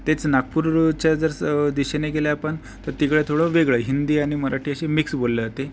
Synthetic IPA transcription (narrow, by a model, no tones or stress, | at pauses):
t̪et͡snakːuɾt͡ɕjad͡zəɾd̪iɕeneɡeljaapəɳ | t̪əɾt̪ikɭet̪ʰoɽɔʋeɡɭəɦind̪iːaɽ̃iməɾaʈʰiːəɕemiksbolːed͡zat̪e